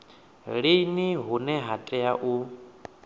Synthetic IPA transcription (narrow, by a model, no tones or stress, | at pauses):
ɺeniɦunɛɦatʼɛjaʔu